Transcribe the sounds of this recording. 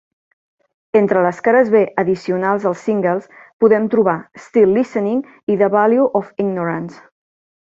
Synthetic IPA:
ent̪ɾələskaɾəzβeʔəðisiunalˠzəlˠsːiŋɡəlˠspuðɛmt̪ɾuβaəst̪ilːisəniŋ | iðəβaljuʔɔfiɡnuɾəns

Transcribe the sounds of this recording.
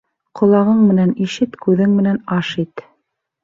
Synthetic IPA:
qʰŏlˠɑʁɤɴmɘ̆næniʃɘt̪kʉðɘŋmɘ̆nænɑʃit̪

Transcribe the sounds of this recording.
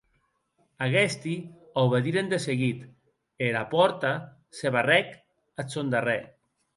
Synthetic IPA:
aɣɛst̪i | awβeðiɾend̪eseɣit̪ | eɾapɔɾt̪a | seβarɛk | asond̪arɛ

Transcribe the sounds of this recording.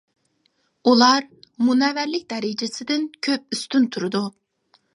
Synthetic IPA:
ulˠɑɾmunɛvæɾlɪk̚ʲd̪ɛɾɪd͡ʒɪsɪd̪ɪnkʲʰøp̚yst̪ynt̪ʰuɾɨd̪u

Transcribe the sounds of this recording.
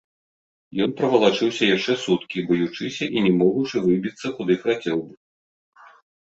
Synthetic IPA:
jɔnpɾɐvɐlˠat͡ʂɨwsʲɐjaʂt͡ʂɛsut̪kʲibɐjut͡ʂɨsʲɐʔinʲɛmɔɣut͡ʂɨvɨbʲit̪sːɐxud̪ɨxɾat͡sʲɛwbɨ

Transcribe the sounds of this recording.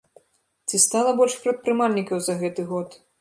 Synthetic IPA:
t͡sʲist̪alˠɐbɔlʲʂpɾɐt̪̚pɾɨmalʲnʲikɐwzɐɣɛt̪ɨɣɔt̪

